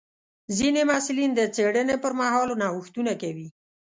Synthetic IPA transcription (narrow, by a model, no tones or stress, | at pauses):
zinemasulind̪ət͡seɽənepəɾmaɦɑlonɑwuxt̪unakawi